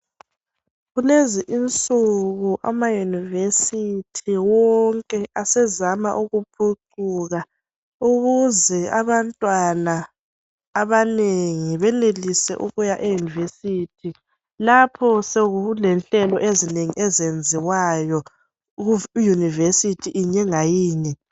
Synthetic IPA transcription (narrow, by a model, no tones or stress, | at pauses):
ɣuleziʔint͡sʼuɣuʔa̰majunivesitʰiwɔŋkʼɛʔasɛzama̰ʔuɣupʰuǀ | uɣa | uɣuzɛaβantʼwanaː | βaneŋiβɛnelisɛ̰ʔuɣujaʔejunivesitʰi | lapʰɔseɣulɛnɬɛlɔʔezineŋḭʔezend͡zʱiwajɔ | junivesitʰiʔːɲɛŋajiːni